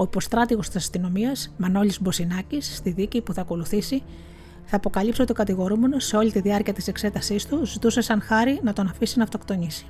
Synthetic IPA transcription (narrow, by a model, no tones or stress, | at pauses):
o̞ipo̞st̪ɾɐt̪iɣo̞st̪isɐst̪ino̞miɐsmɐno̞lizbo̞sinɐcisːt̪iðicipuθɐko̞luθisi | θɐːpo̞kɐlipsot̪okɐt̪iɣo̞ɾume̞no̞se̞o̞lit̪iðiɐɾciɐt̪ise̞kse̞t̪ɐsist̪uzit̪use̞sɐnxɐɾinɐt̪o̞nɐfisinɐft̪o̞kt̪o̞nisi̥